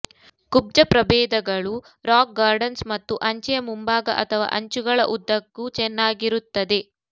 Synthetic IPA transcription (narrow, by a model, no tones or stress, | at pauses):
kub̚d͡ʒɐpɾɐbɛːd̪ɐɡɐɭu | ɾaːk̚ɡaːɾɖɐnsmɐt̪ːuʔɐɲt͡ʃɐjɐmumbaːɡɐ̰ʔɐt̪ʰɐʋa̰ːʔɐɲt͡ʃuɡɐɭɐ̰ʔud̪ːɐɡːut͡ʃɛnːaːɡiɾut̪ːɐd̪e̞